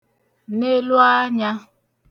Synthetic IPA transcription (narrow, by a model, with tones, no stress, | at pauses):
ne˦lu˦a˦ɲa˦